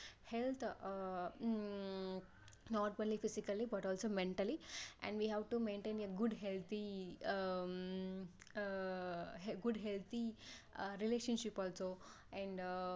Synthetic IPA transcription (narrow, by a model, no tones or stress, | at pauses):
helt̪ʰ | nɔʈpə̃nlifisikəlibɐʈɔlsomẽɳʈəliɛ̰̃ɳɖʋiɦɛʋʈumẽɳʈẽːneɡʊɖɦelt̪ʰi | ɦɡʊɖɦelt̪ʰi | ɾileʃə̃nʃipɔlso | ɛ̃ɳɖ